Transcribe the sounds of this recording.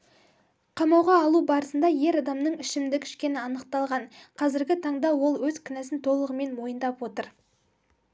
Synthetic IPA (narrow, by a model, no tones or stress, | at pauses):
qʰɑmɑwʁɑːlˠubɑɾəsənd̪ɑje̞ɾɑd̪ɑmnəɴɪʃɪmd̪ɪkʲʰɪ̥ʃkʲe̞nɪɑnəq̚t̪ɑlˠʁɑɴqʰɑzɪɾɡʲɪt̪ʰɑɴd̪ɑwo̞lˠwɵzkʲʰʏnæsɪnt̪ʰo̞lˠəʁəme̞nmo̞jənd̪ɑpwo̞t̪əɾ